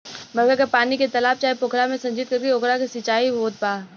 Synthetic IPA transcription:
mɐɾɡəɾkepaːniket̪ɐlaːb̚t͡ʃaːepʊkʰɾamẽsɐ̃ɲd͡ʒɪt̪̚kɐɾkeokɾakisɪt͡ʃaːiʋoːt̪̚paː

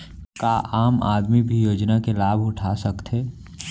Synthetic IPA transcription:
kaʔaːma̰ːd̪mibʱijoːd͡ʒnakelaːbʱʊʈʰasəkt̪ɦeː

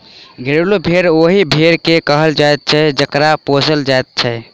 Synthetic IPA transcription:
ɡʱeɾlobʱeɾoɦibʱeɾkekəɦəld͡ʒajt̪̚t͡ʃʰɛd͡ʒəkɾaposəld͡ʒajt̪̚t͡ʃʰɛ

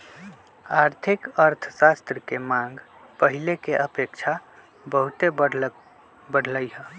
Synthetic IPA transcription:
aːɾt̪ʰɪkəɾt̪ʰəsast̪ɾəkemãŋɡ | pəɦilekeʔəpekt͡ʃʰa | bəɦut̪e | bəɽʱləiɦə̃

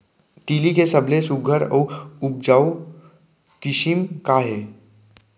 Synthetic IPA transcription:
t̪iːlikesɐblesʊɡʱəɾɔːʊp̚d͡ʒaːw | kɪʃimkaɦɛː

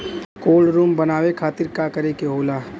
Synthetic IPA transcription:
koːlɾuːmbɐnaːwekʰaːt̪ɪɾkakəɾekeɦoːlaː

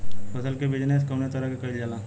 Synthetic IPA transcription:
pɐsəlkebɪd͡ʒneskɐmnet̪əɾakekɐild͡ʒalaː

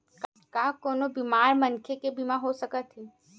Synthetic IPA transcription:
k | kakoːnobimaːɾmənkʰekebimãɦosəkət̪ʰɦiː

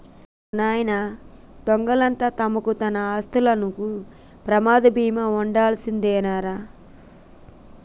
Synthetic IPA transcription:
unaːjɐnɐ | t̪ɔŋɡɐlɐnt̪aːt̪ɐmɐkut̪ɐnɐaːst̪ulɐnuku | pɾɐmaːd̪ɐbiːmɐuɳɖaːlɐsind̪ɛːnaːɾaː

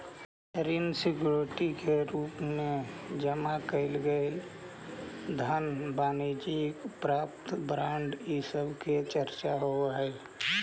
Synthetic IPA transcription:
ɾinsikjuɾʈikeɾupmed͡ʒəmakəɪlɡəɪl | d̪ʱənbaːnid͡ʒikpɾapt̪bɾaɳɖisəbʱket͡ʃəɾt͡ʃaɦoaɦəl

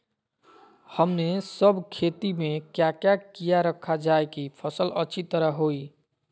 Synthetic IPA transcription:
həmnesəbʱkʰet̪imekjakjakijaɾəkʰːad͡ʒaekipʰəsələ̰ːt͡ʃʰit̪əɾəɦoj

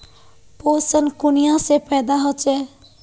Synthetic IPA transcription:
posənkunijãsepəjd̪aɦot͡ʃe

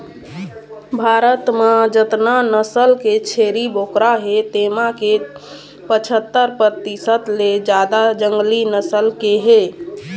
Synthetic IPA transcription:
bʱaɾət̪mad͡ʒət̪nanəsəlket͡ʃʰeɾibʱokɾaɦet̪emake | pət͡ʃʰət̪ːəɾpɾət̪isət̪led͡ʒad̪ad͡ʒəŋɡlinəsəlkeɦe

